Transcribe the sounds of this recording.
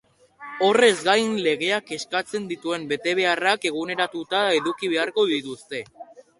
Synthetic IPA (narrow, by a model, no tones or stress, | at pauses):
o̞re̞zɡajnle̞ɣe̞ake̞skat͡se̞nd̪it̪ue̞mbe̞t̪e̞β̞e̞arake̞ɣ̞une̞ɾat̪ut̪ae̞ðukiβ̞e̞aɾko̞ðit̪ust̪e̞